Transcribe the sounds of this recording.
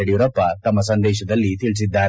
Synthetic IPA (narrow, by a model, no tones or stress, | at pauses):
ɐɽijuɾɐpːɐt̪ɐmːɐsɐnd̪ɛːʃɐd̪ɐlːit̪iɭs̬id̪ːaː